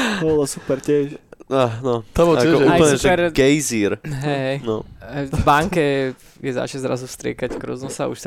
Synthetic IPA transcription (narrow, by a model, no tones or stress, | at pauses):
olasupɛɾtɛʃanɔt̪amoaɛɛɾɡɛjziɾɦɛɦɛjnɔ̃baŋkɛ | jɛza̰t͡ʃɛzɾa̰zufst̪ɾɛ̰ːkackɾɔ̰znɔsa̰ṵʃ